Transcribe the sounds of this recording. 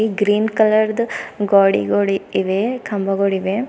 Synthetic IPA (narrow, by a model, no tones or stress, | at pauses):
iɡɾiːnkɐlɐɾd̪ɡaːɽḭɡoɽiːʋekʰɐmbɐɡoɽiʋe